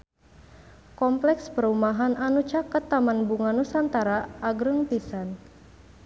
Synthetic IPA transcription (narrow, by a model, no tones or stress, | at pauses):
kɔmplɛkspərumaɦanʔanut͡ʃakat̪ːamanbuŋanusant̪aɾaʔːɡɾəŋpisan